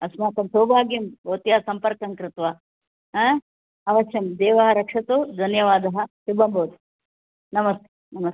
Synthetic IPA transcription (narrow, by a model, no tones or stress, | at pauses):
ɐsmaːt̪ɐmsoːbʱaːɡjɐmbɐːt̪jɐsɐmpɐɾkɐŋkɾɪt̪ʋɐ | ɐʋɐʃjɐmd̪eːʋɐɦɐɾɐkʂɐt̪ud̪ʱɐnjɐʋaːd̪ɐɦɐsibɐmbʱɐːd̪u | nɐmɐst̪e | nɐmɐs